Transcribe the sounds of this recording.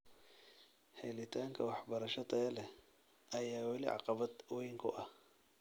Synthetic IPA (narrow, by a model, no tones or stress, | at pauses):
hɛlɪt̪ʰaːŋkʰɐwɑħbɐɾɐʃɐd̪ɐɐlɛ | ɐjaːwɐlɪ̰ʕɑ̰qɑβɐd̪wɔjŋkʰʊ̰ʔɐh